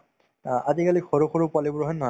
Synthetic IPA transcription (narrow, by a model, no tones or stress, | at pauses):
azikalixoɹukxoɹupwalibʊɹɦɔjnːɔɦɔ